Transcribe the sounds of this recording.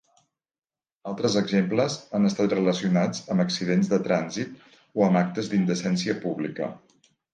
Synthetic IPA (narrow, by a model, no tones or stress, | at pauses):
alˠt̪ɾəzəɡzempləzanəst̪at̪̚rələsiunad͡zəməksiðenzðət̪ɾanzit̪̚ | oəmak̚t̪əzd̪ind̪əsɛnsiəpuβlikə̰